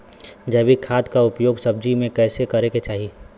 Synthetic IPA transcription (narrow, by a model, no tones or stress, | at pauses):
d͡ʒɐːbikʰaːd̪kaʊpjoːɡsɐbd͡ʒimẽkɛːsekɐɾeket͡ʃaːɦi